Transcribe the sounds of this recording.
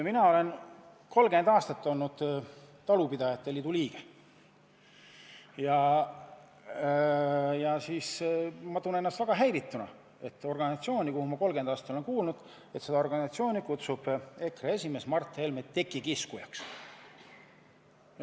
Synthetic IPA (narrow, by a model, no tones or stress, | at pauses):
minɑo̞le̞n | ko̞lɡe̞nd̪ɑːst̪ɑt̪ːo̞lnud̪̥ | t̪ɑlupid̪̥ɑjɑt̪ːˑeliːd̪uliːɡ̥e | jɑ | jɑsiːsmɑt̪une̞nːɑst̪væɡ̥ɑɦæjvit̪ːˑunɑ̰ | e̞t̪ːˑo̞rɡɑnisɑt̪sio̞ːnʲikuhumɑko̞lɡe̞nd̪ɑːst̪ɑt̪ːolenkuːlnud̪̥ | e̞t̪se̞d̪ɑo̞rɡ̥ɑnisɑt̪sioːnʲikut̪sub̥e̞kree̞sʲime̞smɑrt̪ːˑe̞lmet̪ːe̞kːˑikiskujɑ̰ks